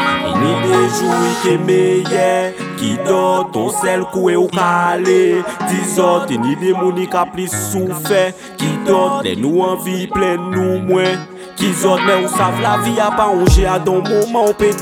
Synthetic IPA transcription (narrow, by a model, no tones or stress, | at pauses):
ḭnĩdeʒuik̪emejɛ | kid̪ɔd̪ɔ̰̃sɛlkuɛukaalet̪izɔt̪inĩdemũnĩkaplisufɛ | kid̪ɔlɛ̰nũãviplɛnũmwɛ̃ | kizɔt̪̚nɛ̃usavlaviapaɔ̃ʒead̪ɔ̃momãũpe